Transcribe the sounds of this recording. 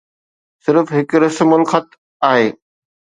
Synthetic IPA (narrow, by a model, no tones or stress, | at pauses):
sɪɾfɦɪkɾɐsmʊlxət̪ | aːɦeː